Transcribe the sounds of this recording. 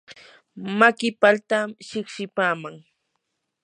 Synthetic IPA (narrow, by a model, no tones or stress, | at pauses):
makɪpalt̪aʃɪχʃɪpaːmaŋ